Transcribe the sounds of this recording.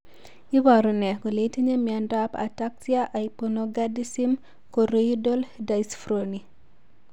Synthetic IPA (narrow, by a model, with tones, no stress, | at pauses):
i˦wa˨ɾo˨nɛ˨ko˨le˨˦te˦ɲe˦mi˨a˨nda˦pa̰˨ta˦k̚si˦a˦ʔa˨i˨ponoɡa˦di˦si˦m | ko˨ɾe˦jido˦lda˨jsfɾoni˨